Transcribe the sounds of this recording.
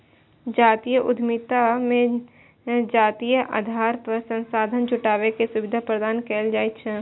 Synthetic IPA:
d͡ʒaːt̪iːjəʔʊd̪ʱmit̪amẽ | d͡ʒaːt̪iːjəʔa̰ːd̪ʱaːɾpəɾsə̃nsaːd̪ʱənd͡ʒʊʈaːʋekesʊʋɪd̪ʱapɾəd̪aːnkɛːld͡ʒaːit͡ʃʰɛ

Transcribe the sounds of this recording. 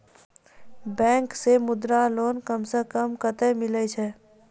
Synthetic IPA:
bɛ̃ːŋksemʊd̪ɾaloːnkəmsekəmkət̪ɛmɪlɛt͡ʃʰɛ

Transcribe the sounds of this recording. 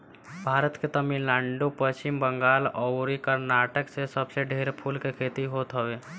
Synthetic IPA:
bʱaɾət̪ket̪əminlaɳɖupəst͡ʃimbəŋɡalɔɾikəɾnaʈəksesəbseɖʱeɾpʰulkekʰet̪iɦot̪ɦəwe

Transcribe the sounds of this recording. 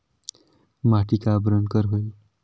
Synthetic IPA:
maʈikabɾənkəɾɦoj

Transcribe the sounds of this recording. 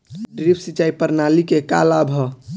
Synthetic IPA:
ɖɾipʰsit͡ʃaːipəɾnalikeka̰labʱə

